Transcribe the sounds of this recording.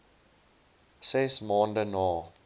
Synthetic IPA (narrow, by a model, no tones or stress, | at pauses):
sɛsmɑːndənɑː